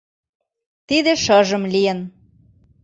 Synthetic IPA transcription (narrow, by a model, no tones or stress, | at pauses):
t̪id̪ĕʃɤʒə̆mlijə̆n